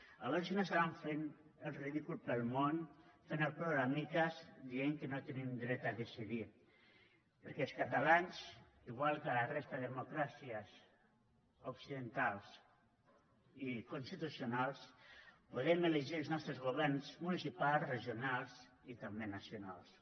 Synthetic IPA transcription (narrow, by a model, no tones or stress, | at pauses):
aβɔɾsinoesaβaɱfen | əlˠriðikulpəlˠmonfenəlˠpɾoɣɾamikazd̪ieŋkənot̪enimd̪ɾɛt̪aðesiði | pəɾkɛlˠskat̪alanz | iɣwalˠkalarest̪aððemokɾasiaz | oksiðənt̪alˠs | ikunst̪it̪usionalˠspuðɛmeleʒiəlˠznɔst̪ɾəzɣoβɛɾnzmunisipalˠzreʒiunalˠz | it̪ambenasjonalˠs